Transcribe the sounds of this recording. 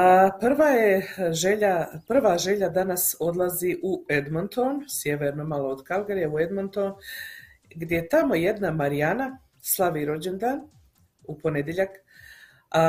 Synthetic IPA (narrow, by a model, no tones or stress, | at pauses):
pr̩ʋaːjeʒeʎapr̩ʋaːʒe̞ʎad̪anaso̞d̪lˠaziʔued̪mont̪onsje̞ʋeɾnomalˠood̪kalˠɡaɾijeued̪mont̪o̞n | ɡd̪jejet̪amo̞je̞d̪namaɾijana | slˠaʋiːɾo̞d͡ʑend̪aːn | upo̞ned̪ʲjeʎak